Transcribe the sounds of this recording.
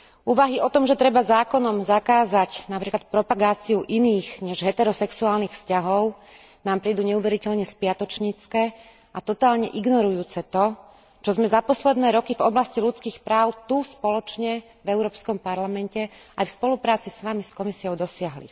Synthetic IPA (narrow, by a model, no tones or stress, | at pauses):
uːʋaɦiɔt̪ɔmʒɛt̪ɾɛbazaːkɔnɔmzakaːzacnapɾiːklat̪̚pɾɔpaɡaːt͡siuʔiniːɣɲɛʒɦɛt̪ɛɾɔsɛksuaːlnixfscaɦɔʊ | naːmpɾiːd̪uːɲɛuʋɛɾicɛlɲɛspɪat̪ɔt͡ʃɲit͡skɛː | at̪ɔt̪aːlɲɛʔiɡnɔɾujuːt͡sɛt̪ɔ | t͡ʃɔzmɛzapɔslɛd̪nɛːɾɔkivɔblascilut͡skiːxpɾaːʊt̪uspɔlɔt͡ʃɲɛ | vɛʊɾɔːpskɔmpaɾlamɛncɛajfspɔlupɾaːt͡sisʋamiskɔmisiɔʊd̪ɔsɪaɦlḭ